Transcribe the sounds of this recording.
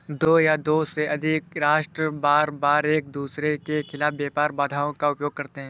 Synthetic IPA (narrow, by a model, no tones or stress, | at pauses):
d̪oːjad̪oːseʔɐd̪ʱɪkɾaːʃʈɾəbaːɾbaːɾeːk̚d̪uːsɾekekʰɪlaːfbjeːpaːɾbaːd̪ʱaːõkaʊpjoːɡ̚kɐɾt̪eɦɛ̃ː